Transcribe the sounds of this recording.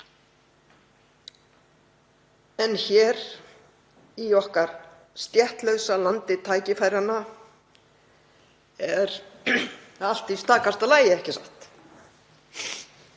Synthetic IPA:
ɛnçɛːɾ | iɔhkaɾ̥ | st̪jɛht̪lœwsalant̪ɪt̪ʰaːjcɪfajɾanːa | ɛɾ | al̥t̪ist̪aːkast̪alaːjɪɛhcɪsaht̪

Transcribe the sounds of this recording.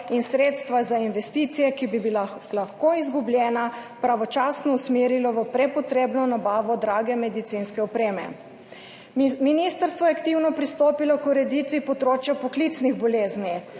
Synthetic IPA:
insɾeːt̪st̪ʋazainʋɛst̪it̪sijɛkibibillaxkoizɡubljɛːnapɾaʋɔt͡ʃaːsnɔusmeːɾilɔʋəpɾɛpɔt̪ɾeːbnɔnabaːʋɔd̪ɾaːɡɛmɛd̪it̪sinskɛɔpɾeːmɛ̰ | minist̪əɾst̪ʋɔjɛakt̪iwnɔpɾist̪oːpilɔkuɾɛd̪it̪ʋipɔd̪ɾoːt͡ʃjapɔklit̪sniɣbɔleːzni

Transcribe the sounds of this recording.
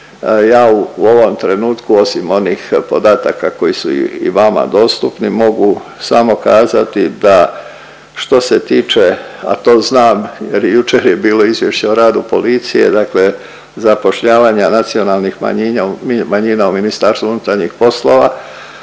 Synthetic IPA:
jaːuo̞ʋo̞mt̪ɾe̞nuːt̪kuo̞simo̞nixpo̞d̪aːt̪akako̞jisṵḭʋama̰d̪o̞ːst̪upnimo̞ɡusamo̞kaːzat̪id̪a | ʃt̪o̞se̞t̪iːt͡ʃea̰t̪o̞ːznaːmjeɾjjut͡ʃeɾje̞biːlo̞izʋje̞ʃt͡ɕeoɾaːd̪upo̞lit̪sije̞̰d̪akle̞ | zapo̞ʃʎaːʋaɲanat̪sio̞nalˠnixma̰ɲiɲammaɲiːnauminist̪aɾst̪uunut̪aɾɲixpo̞slo̞ːʋa

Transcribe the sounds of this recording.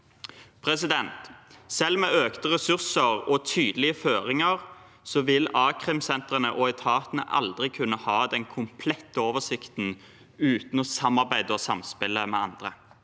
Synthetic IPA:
pʰʁɛsɪd̪ɛnt̪sɛlːmɛøːkt̪əʁɛsʉʁsəʁɔt̪ʰyːd̪əlɪəføːʁɪŋəʁ | sɔʋɪlɑːkʰʁɪmsɛnt̪ʁənəʔɔɛt̪ʰɑːt̪ənə̰ʔɑ̰ld̪ʁɪkʰʉnːəhɑːd̪ɛnkʰʊmpʰlɛt̪ːəoːʋəsɪkt̪n̩ | ʉːt̪n̩ɔsɑmːɑʁbæɪd̪əɔsɑmspɪlːəmɛ̰ɑnd̪ʁə

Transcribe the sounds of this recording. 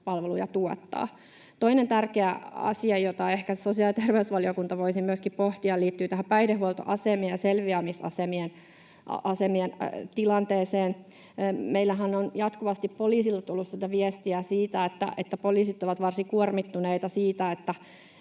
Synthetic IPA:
pɑlʋelujɑt̪uot̪ːɑ̰ː | t̪oinent̪ærkeæɑ̰siɑjot̪ɑehkæsosiɑlit̪erʋeusʋɑliokunt̪ɑʋoisimyøskippoht̪iɑliːt̪ːyːt̪æhæpæidehuolt̪o̰ʔɑsemieɑselʋiæmisɑ̰semien | ɑsemient̪ilɑnt̪eːseːn | meilːæɦænːonjɑt̪kuʋɑst̪ippoliːsilːɑt̪ulːussit̪æʋiest̪iæsiːt̪æet̪ːæ̰ʔet̪ːæpoliːsit̪oʋɑt̪ʋɑrsikuormit̪ːuneit̪ɑsiːt̪æet̪ːæ

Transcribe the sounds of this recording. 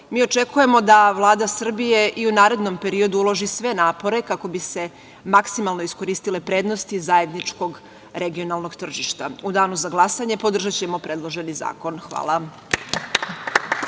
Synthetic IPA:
miːo̞t͡ʃe̞kuje̞mo̞d̪aʋlˠaːd̪asr̩bije̞ʔiunaːɾe̞d̪no̞mpe̞ɾio̞d̪uulˠoʒisʋe̞naːpo̞ɾe̞kako̞bise̞ | maksimalno̞isko̞ɾiːst̪ile̞pɾe̞ːd̪no̞st̪izaje̞d̪nit͡ʃko̞ɡ | ɾeɡio̞nalˠno̞ɡt̪r̩ʒiʃt̪aud̪aːnuzaɡlˠasaɲe̞po̞d̪r̩ʒat͡ɕe̞mo̞pɾe̞d̪lˠo̞ʒe̞niza̰ːko̞nxʋa̰ːlˠa

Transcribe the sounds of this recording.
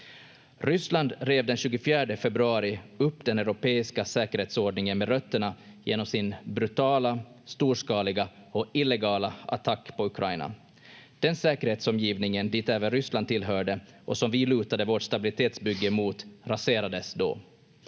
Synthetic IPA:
ɾʏsland̪ɾeːvd̪ɛnɕʉ̟ːɡʊfjæːɖəfɛbɾɵɑːɾɪɵpːd̪ɛnɛɾʊpeːɪskasɛːkəɾheːt̪soːɖɳɪŋənmɛɾœt̪ːəɳajḛːnɔmsɪnbɾʉt̪ʰɑːla | st̪uːʂkɑːlɪɡaɔɪlːɛɡɑːlaʔa̰t̪ʰakːpʰɔɵkʰɾaɪna̰ | d̪̥ɛnsɛːkəɾheːt̪sɔmjiːvnɪŋənd̪iːt̪ɛːvənɾʏsland̪ʰɪlːɦœːɖə | ʔɔsɔmvɪlʉ̟ːt̪ad̪əvoːʈʂt̪abɪlɪt̪ʰeːt̪sbʏɡːəmuːt̪ɾaseːɾad̪əsd̪o̰ː

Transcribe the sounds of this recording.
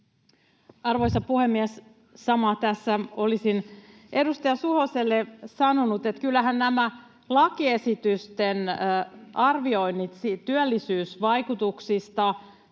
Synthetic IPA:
ɑrʋojsɑpuhemːiɛs | sɑmɑt̪æsːæolisin | ʔe̞dust̪ɑjɑsuhoselːesɑnonut̪et̪kylːæɦænnæmæ | lɑkie̞sit̪yst̪en | ʔɑrʋio̞inːit̪sit̪yælːisyːsʋɑjkut̪uksist̪ɑ

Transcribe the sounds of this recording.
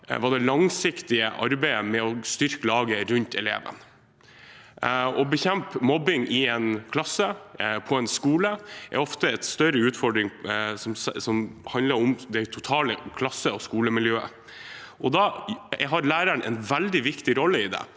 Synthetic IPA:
ʋɑd̪ɛlɑŋsɪkt̪ɪə̰ʔɑɾbæɪəmɛɔst̪ʏɾkəlɑːɡəɾʉnt̪ʰɛlḛːʋə̰n | ɔbəçɛmpmɔbɪŋʔɪɛnkʰlɑsːəpʰɔɛnskuːləʔæ̰ɾɔft̪əɛt̪st̪œɾəʉːt̪fɔɖɾɪŋsɔmssɔmhɑnd̪əɾɔmd̪ɛæt̪ʰʊt̪ʰɑːləkʰlɑsːəɔskuːləmɪljøːə̰ | ʔɔd̪ɑɛɦɑɾlæːɾəɳʔɛ̰nʋæld̪ɪʋɪkt̪ɪɾɔlːəɪd̪ɛ̰

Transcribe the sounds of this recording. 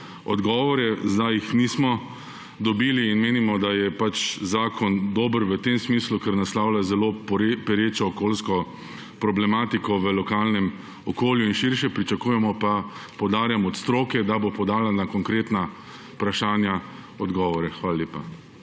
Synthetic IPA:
ɔd̪ɡɔːʋɔɾɛzd̪ajixniːsmɔ | d̪ɔbiːliːnmeːnimɔd̪ajɛpat͡ʃzaːkʰɔnd̪oːbəɾʋət̪emsmiːslukɛɾnaslawlʲazɛloːppɛɾeːt͡ʃɔːkoːlskɔ | pɾɔblɛmaːt̪ikɔʋəlɔkaːlnɛm | ɔkoːljuinʃiɾʃɛpɾit͡ʃakuːjɛmɔpapɔwd̪aːɾjamɔt̪st̪ɾoːkɛd̪abopɔd̪aːlanakɔŋkɾeːt̪na | pɾaʃaːnja | ɔd̪ɡɔːʋɔɾɛxʋaːlalʲjeːpa

